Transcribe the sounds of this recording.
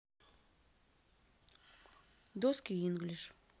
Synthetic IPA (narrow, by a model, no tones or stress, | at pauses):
d̪oskʲiinɡlʲiʃ